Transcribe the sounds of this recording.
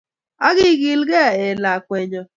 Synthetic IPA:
a˦ɣɪ˦ɡi˨lɡɛ˦˨e˨la˨kʷe˨ɲɔ˨

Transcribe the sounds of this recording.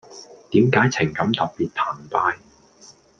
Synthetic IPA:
t̪iː˨˥mkaː˨˥jt͡sʰɪ˨˩ŋkɐ˨˥mt̪ɐ˨p̚piː˨t̚t̪ʰaː˨˩npaː˧j

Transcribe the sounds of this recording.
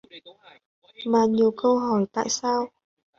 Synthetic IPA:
maː˨˩ɲi˨˩əwkə˧wɦɔ˧˩jt̪a̰ː˧˨jsaː˧w

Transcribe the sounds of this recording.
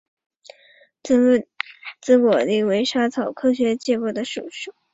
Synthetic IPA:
t͡sɹ̩˥kwɔ˨˩li˥˩we˧˥ɪʂa˥t͡sʰɑ˨˩ʊkʰɤ˥ɕɥɛ˧˥t͡ɕjɛ˥˧pɔ˥˩d̪ə˩ʂu˨˩ʂu˥˩˦

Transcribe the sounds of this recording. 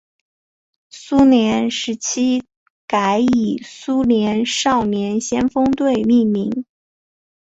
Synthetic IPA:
su˥njɛ˧˥nʂɻ̩˧˥t͡ɕʰi˥ | ka˧˥ɪi˨˩su˥njɛ˧˥nʂɑ˥˩ʊnjɛ˧˥nɕjɛ˥nfɤ˥ŋt̪we˥˧ɪmi˥˩mi˧˥ŋ

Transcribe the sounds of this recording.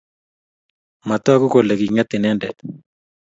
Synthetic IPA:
ma˨t̪ɔ˦ku˦ko˨le˨ɡi˨ŋa˦t̪ɪ˨nɛ˦ndɛ˨t̪

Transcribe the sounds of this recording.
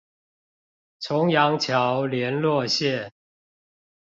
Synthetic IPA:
t͡sʰʊ˨˧˥ŋjɑ˧˥ŋt͡ɕʰjɑ˨˦ʊljɛ˨˦nlwɔ˥˧ɕjɛ˥˨

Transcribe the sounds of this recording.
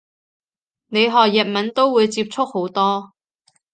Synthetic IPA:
ne˨˧jɦɔː˨k̚jɐ˨t̚mɐ˨˥nt̪o˥wwuː˨˧jt͡siː˧p̚t͡sʰʊ˥k̚ho˨˥wt̪ɔː˥

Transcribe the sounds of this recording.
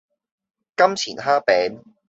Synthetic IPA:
kɐ˥mt͡sʰiː˨˩nɦaː˥pɛː˨˥n

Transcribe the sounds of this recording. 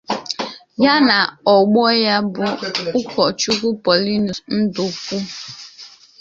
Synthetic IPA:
ja˦na˨ɔ˨ɡ͡bɔ˦ja˦bʊ˨ʊ˦kʷɔ˨t͡ʃu˦ku˦pɔ˨li˦nu˨n̩˦du˨kʷu˦

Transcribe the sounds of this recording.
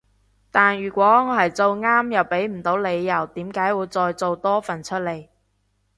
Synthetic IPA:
t̪aː˨nɥyː˨˩kʷwɔː˨˥ŋɔː˨˧ɦɐ˨jt͡so˨˧wŋaː˥mjɐ˨˩wpe˨˥jm̩˨˩t̪o˨˥wle˨˧jːɐ˨˩wt̪iː˨˥mkaː˨˥jwuː˨˧jt͡sɔː˧jt͡so˨˧wt̪ɔː˥fɐ˨˩nt͡ʃʰɵ˥t̚le˨j

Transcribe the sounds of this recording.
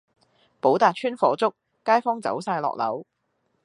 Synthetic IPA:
po˨˥wt̪aː˨t̚t͡ʃʰyː˥nfɔː˨˥t͡sʊ˥k̚ːaː˥jfɔː˥ŋt͡sɐ̰˨˥wsaː˧jlɔ̰ː˨k̚lɐ̰˨˥w

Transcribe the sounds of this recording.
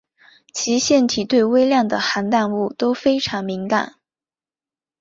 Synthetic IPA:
t͡ɕʰi˧˥ɕjɛ˥˩nt̪ʰi˨˩t̪we˥˧ɪwe˥ɪljɑ˥˩ŋd̪ə˩xa˧˥nt̪a˥˧nu˥˩t̪o˥ʊfe˥ɪʈ͡ʂʰɑ˧˥ŋmi˧˥ŋka̰˨˩˦n

